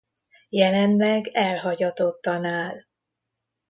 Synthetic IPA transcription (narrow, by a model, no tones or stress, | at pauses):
jɛlɛnlɛɡɛlɦɒɟɒt̪o̞t̪ːɒnaːl